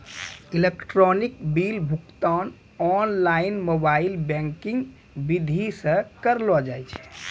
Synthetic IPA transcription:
ilekʈɾɔnikbilbʱukt̪an | ɔnlainmobailbɛ̃ŋkĩŋɡ | bid̪ʱisə̃kəɾlɔd͡ʒajt͡ʃʰɛ̥

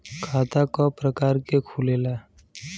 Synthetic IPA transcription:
kʰaːt̪akɔpɾəkaːɾkekʰuleːlaː

